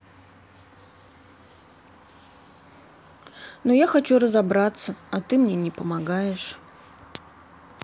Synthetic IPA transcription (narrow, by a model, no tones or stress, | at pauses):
nojaxɐt͡ɕurəzɐbɾat̪səɐt̪ɨmnʲenʲɪpəmɐɡajɪʂ